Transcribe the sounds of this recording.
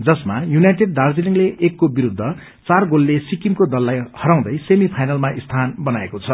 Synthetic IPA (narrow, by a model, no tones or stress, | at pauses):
d͡zʌsmajunajʈeɖ̚dard͡ziniŋleʔekːobiɾud̪ʱːʌ | t͡sarɡolːesikimkod̪ʌlːajhʌɾãw̃d̪ʌjsemipʰajnalmaʔist̪ʰanbʌnaekot͡sʰʌ